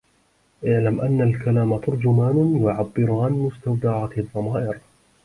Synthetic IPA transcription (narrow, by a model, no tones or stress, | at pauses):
ʔaʕlamʔanːalkalaːmat̪ʊɾˤd͡ʒʊmaːnjʊʕabːɪɾʊʕanmʊst̪awd̪aʕaðˤːɑmaːʔɪɾ